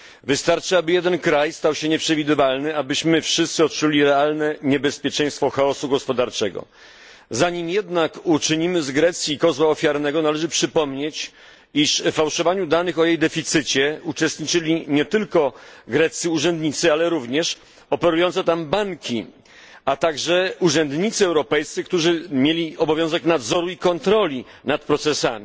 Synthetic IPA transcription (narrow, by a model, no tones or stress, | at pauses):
vɘst̪aɾt͡ʂɘabɘjɛd̪ɛnkɾajst̪awɕɛɲɛpʂɛvʲid̪ɘvalnɘabɘɕmɘfʂɘst̪sɘɔt̪̚t͡ʂulʲiɾɛalnɛɲɛbɛspʲjɛt͡ʂɛ̃j̃st̪fɔxaɔsuɡɔspɔd̪aɾt͡ʂɛɡɔ̰ | zaɲimjɛd̪nakut͡ʂɘɲimɘzɡɾɛt̪sʲjiːkɔzwaɔfʲjaɾnɛɡɔnalɛʐɘpʂɘpɔmɲet͡ɕ | iʂfːawʂɔvaɲud̪anɘxɔjejd̪ɛfʲit̪sɘt͡ɕɛut͡ʂɛst̪ɲit͡ʂɘlʲiɲɛt̪ɘlkɔɡɾɛt̪siuʐɛnd̪ɲit̪sɘalɛɾuvɲɛʂ | ɔpɛɾujɔ̃nt̪sɛt̪ambaŋkʲʰi | at̪aɡʐɛuʐɛnd̪ɲit̪sɘɛwɾɔpɛjst̪sɘk̚t̪uʐɘmʲjelʲiɔbɔvʲjɔ̃w̃zɛknad̪zɔɾuikɔnt̪ɾɔlʲi | nat̪̚pɾɔt̪sɛsamʲi